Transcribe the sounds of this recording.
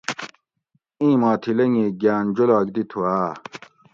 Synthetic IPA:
ĩːmaːt̪ʰilɐŋeːɡaːnd͡ʑolaːkd̪it̪ʰuaː

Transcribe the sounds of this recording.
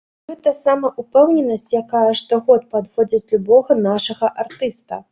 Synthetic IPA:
ɣɛt̪ɐsamɐʔupɛwnʲɛnɐsʲt͡sʲjakajɛʂt̪ɔɣɔt̪̚pad̪vɔd͡zʲɐt͡sʲlʲubɔɣɐnaʂɐɣɐʔart̪ɨst̪ɐ̰

